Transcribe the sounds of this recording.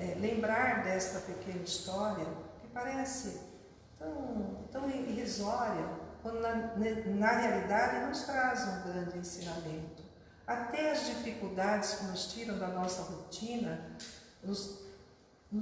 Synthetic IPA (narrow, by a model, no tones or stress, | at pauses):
ɛlẽmbɾaɾd̪ɛst̪ɐpekẽnɐist̪ɔɾiɐkɪpaɾɛsɪ | t̪ɐ̃w̃t̪ɐ̃w̃ɦizɔɾjɐkwɐ̃nd̪ʊnɐnnɐɦealid̪ad͡ʒɪnʊst̪ɾazũɡɾɐ̃nd͡ʒɪẽsĩnamẽnt̪ʊ̥ | at̪ɛɐzd͡ʒifikuwd̪ad͡ʒɪskɪnʊst͡ʃiɾɐ̃w̃d̪ɐnɔsɐhot͡ʃĩnɐ | nʊs